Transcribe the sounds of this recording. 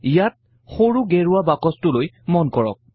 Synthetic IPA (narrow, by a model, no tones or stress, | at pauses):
ijat̚ | xoɹuɡɛɹuwabakɔstʊloj | mɔnkɔɹɔ̰k̚